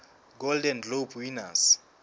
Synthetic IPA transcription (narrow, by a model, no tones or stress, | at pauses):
ɡoldɛnlobʰwinas